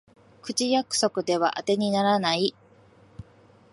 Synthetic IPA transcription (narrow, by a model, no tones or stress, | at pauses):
kɯ̟t͡ɕijakɯ̟̥so̞kɯ̟d̪e̞βa̰ʔat̪e̞ɲ̟inaɾanai